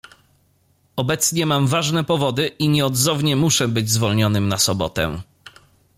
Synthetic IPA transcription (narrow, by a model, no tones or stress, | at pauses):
ɔbɛt̪sɲɛmamvaʐnɛpɔvɔd̪ɘʔiɲɛɔd̪zɔvɲɛmuʂɛbɘd͡ʑzvɔlɲɔnɘmnasɔbɔ̰t̪ɛ̰